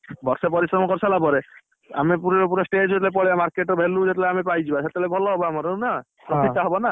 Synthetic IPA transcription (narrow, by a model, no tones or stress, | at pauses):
bɔɾsepɔɾisɾɔmɔkɔɾsalapɔɾe | a̰mepuɾepuɾɔsʈed͡ʒet̪lep̬ɔɽiamaɾkeʈɔbʱelud͡ʒet̪leamep̬ajd͡ʒibaset̪elebʱɔlɔɦɔbɔamɔɾeuna | pɾɔit̪ːaɦɔbɔna